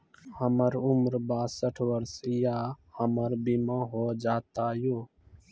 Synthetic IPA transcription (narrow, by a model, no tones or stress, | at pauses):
həməɾʊmɾbaːsəʈʰʋəɾsjaːhəməɾbimãɦoːd͡ʒaːt̪aːjoː